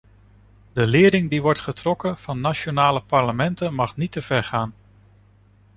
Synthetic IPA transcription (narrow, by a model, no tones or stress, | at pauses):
dəlɪːɾɪŋdiʋɔɹtχətrɔkəv̥ɑnːat͡ʃonaːləpɑɹləmɛntənmɑχnitəv̥ɛɹχaːn